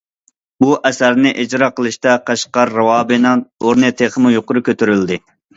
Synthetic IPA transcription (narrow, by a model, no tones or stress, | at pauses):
buʔɛsæɾnɪʔɪd͡ʒɾɑːqəlˠɨʃt̪ɑqʰɑʃqɑɾːɑwɑːbɨnɨŋoɾnɨt̪ʰeχəmujoqʊɾʊkʲøt̪ʰyɾyld̪ɪ